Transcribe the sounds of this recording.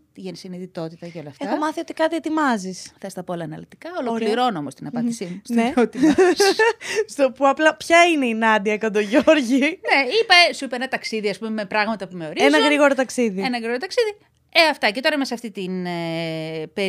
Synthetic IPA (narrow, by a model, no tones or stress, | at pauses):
t̪iʝenisiniðit̪o̞t̪it̪ɐʝɐolɐfeɐxomɐθio̞t̪i̥kɐðiet̪imɐzisθest̪ɐpoolɐːnɐlit̪ikɐolokliɾo̞noo̰most̪inɐpɐndisimusneot̪iɐsst̪opuɐplɐpçɐineinɐd̪iɐkɐnd̪oʝoɾʝine̞ipɐesuipenɐt̪ɐksiðiɐspumemepɾɐɣmɐt̪ɐpume̞o̞ɾienɐɣɾiɣo̞ɾot̪ɐksiðienɐɣɾiɣoɾot̪ɐksiði | eɐft̪ɐce̞t̪o̞ɾɐmesɐft̪it̪ine | pe